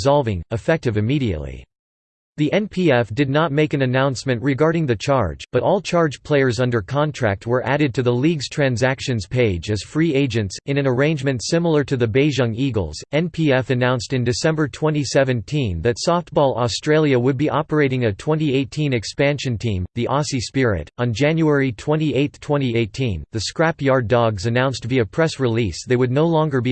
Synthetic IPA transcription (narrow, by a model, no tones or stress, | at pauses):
zɑlˠvɪ̰̃ŋɨfɛk̚tɨvɨmiɾiɨ̰ʔˡlḭ | ðiʔɛ̃npʰiɛfd̥ɨdⁿnət̚meɪkɨ̃nɨnãʊ̃nsmɨ̃nʔɹɨɡɑɹɾɪ̃ŋðɨt͡ʃʰɑɹ̥d͡ʒb̥ʌɾɔlˠt͡ʃʰɑɹd͡ʒ̥pʰl̥eɪə˞zʌ̃ndə˞kʰɑ̃ntʰɹ̥æ̰k̚t̚wə˞ʔæɾɨd̚tʰɨðəliɡz̥tʰɹ̥æ̃nzækʃɨ̃nz̥pʰeɪd͡ʒɨz̥fɹieɪd͡ʒɨ̃ntsɨ̃ñɨ̃nə˞ẽɪ̃nd͡ʒmɨ̃ntsɪ̃ml̩ˠə˞ɾɨðɨbeɪʒʌ̃ŋiɡl̩ˠz̥ɛ̃npʰiɛfɨnãʊ̃nstɨ̃ndɨsɛ̃mbə˞tʰw̥ɛ̃ñisɛvɨ̃ntʰĩnðɨtsɔft̚b̥ɔlˠɔstɹ̥eɪlˠjɨwəd̚biʔɑpə˞eɪɾɪ̃ŋɨtʰw̥ɛ̃ntieɪtʰĩnɨkspæ̃nʃɨ̃ntʰĩmðiʔɑsispɪɹɪ̰ɾn̩d͡ʒæ̃njuɛɹitʰw̥ɛ̃ñieɪt̪θtʰw̥ɛ̃ɾ̃ieɪtʰĩnðɨskɹæpjɑɹdɔɡzɨnãʊ̃nstviɨpʰɹ̥ɛsɹɨlisðeɪwɨdⁿnoʊlɔ̃ŋɡə˞bi